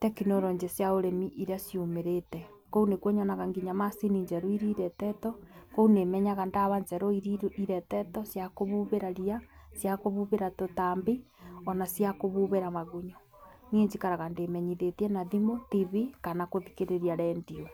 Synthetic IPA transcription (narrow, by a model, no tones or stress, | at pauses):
tɛkinoɾɔɲd͡ʒesjaoɾemiʔiɾasjumeɾetɛ | kounekwoɲɔnaɣaŋɡiɲamasiniɲd͡ʒɛɾoiɾiɾɛtɛtɔkounemɛɲaɣandaβaɲd͡ʒɛɾoiɾiɾʔiɾɛtɛtɔsjakoβuβeɾaɾiasjakoβuβeɾatotambi | ɔnasjakoβuβeɾamaɣuɲo | nieɲd͡ʒikaɾaɣandemɛɲiðetiɛnaðimotiβikanakoðikeɾeɾiaɾɛndio